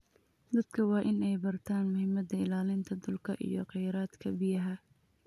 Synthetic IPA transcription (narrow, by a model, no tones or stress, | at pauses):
d̪ɐd̪̥kʰɐwɑːʔɪnɛjbɐrt̪ʰaːnmʊhɪmɐd̪ɐɪlaːlɪnt̪ʰɐd̪ʊlkʰɐʔḭjɔqɛjɾaːd̪kʰɐbɪjɐɦɐ